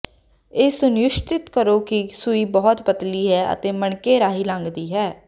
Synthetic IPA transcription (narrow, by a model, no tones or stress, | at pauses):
eːsʊnjʊʃt̪ɪt̪kəɾoːkɪsʊiːbɔːt̪bət̪liːɦɛːʔə̰t̪eːməɳkeːɾaːɦiːlãːŋɡd̪iːɦɛː